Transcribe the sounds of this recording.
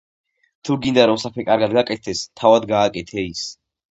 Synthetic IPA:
t̪ʰuɡind̪aɾɔmsapʰɛkʼaɾɡad̪ɡakʼɛt̪̚ʰt̪ɛst̪ʰavad̪ɡaːkʼɛt̪ʰɛis

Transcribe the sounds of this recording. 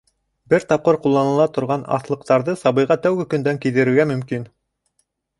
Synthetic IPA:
bɘɾt̪ɑp̚qɤɾqulˠːɑnɤ̆lˠɑt̪ŏɾʁɑnɑ̰θlˠɤ̆qt̪ɑɾðɤsɑβɤ̆jʁɑt̪æwɡɘkɵ̆nd̪æŋkiðɘ̆ɾɘ̆ɾɡæmɵ̆mkin

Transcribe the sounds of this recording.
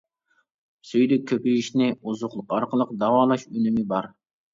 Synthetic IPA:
søjd̪ɪkʲʰøpijiʃnɪuzʊχlˠʊqɑɾqʰəlˠəqd̪ɑwɑːlˠɑʃynymɪbɑɾ

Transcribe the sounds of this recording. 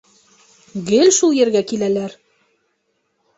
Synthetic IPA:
ɡɘlʲʃulˠjɘ̆ɾɡækilælæɾ

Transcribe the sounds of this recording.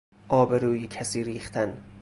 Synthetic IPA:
ʔɒːbe̞ɾuːjecʰæsiːɾiːχt̪ʰæn

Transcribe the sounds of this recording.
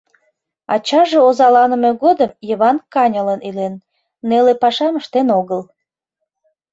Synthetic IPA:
ɑ̰t͡ɕɑʒeozɑlɑnə̆meɣod̪əmjəβɑnkɑnʲələnilenː | elepɑʃɑməʃt̪enoɣəl

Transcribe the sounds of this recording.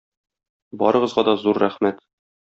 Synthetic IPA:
bɒ̰ɾɤ̆ʁɤ̆zʁɑd̪ɒzuɾːæχmæt̪

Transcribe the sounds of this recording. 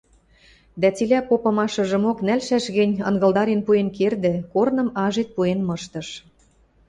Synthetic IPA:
d̪æt͡silʲæpopɤ̆mɑʃɤ̆ʒə̆moknælʃæʃɣɘ̆nʲɤ̰̆nɣɤ̆ld̪ɑɾenpuenkerd̪ĕkornɤ̆mɑʒet̪̚puenmɤ̆ʃt̪ɤ̆ʃ

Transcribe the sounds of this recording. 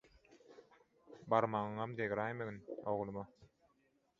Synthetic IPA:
bɑɾmɑŋɯŋɑmd̪eɣɾɑːjmeɡinoʁlˠɯmɯ

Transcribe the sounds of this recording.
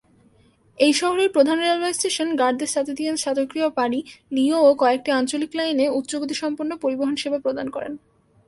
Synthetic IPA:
ejʃɔɦoɾeɾpɾod̪ʱanɾialbajsʈeʃonɡaɾd̪eʃat̪ʰed̪ienʃad̪okɾiopaɽiniookɔeek̚ʈiant͡ɕoliklajneut̪ːɕoɡot̪iʃɔmpoɾnopoɾiboɦonʃebapɾod̪ʱankɔɾḛn

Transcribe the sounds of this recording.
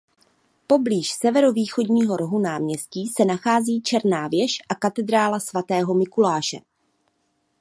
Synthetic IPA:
po̞bliːʃsɛvɛɾoviːxo̞dɲiːɦo̞ɾo̞ɦunaːmɲɛsciːsɛnaxaːziːt͡ʃɛɾnaːvjɛʃʔakat̪ɛd̪ɾaːlasvat̪ɛːɦo̞mɪkulaːʃɛ̰

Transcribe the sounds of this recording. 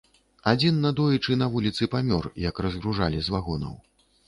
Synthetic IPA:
ad͡zʲinːɐd̪ɔjit͡ʂɨnɐvulʲit̪sɨpamʲɔrjɐkrɐzɣɾuʐalʲizvaɣɔnɐ̰w

